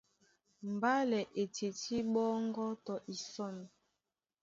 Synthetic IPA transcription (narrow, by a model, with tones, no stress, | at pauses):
m˨ba˦lɛ˨ʔe˨te˨ti˦ɓɔ˦ŋ˦ɡɔ˦tɔ˨ʔi˨sɔ˦˨n˨